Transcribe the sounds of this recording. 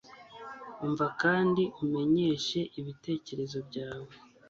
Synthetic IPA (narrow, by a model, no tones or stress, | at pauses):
uɱvakaːndiʔume̞ɲe̞ʃe̞ʔiβite̞ːce̞ɾe̞zo̞bɟaːwe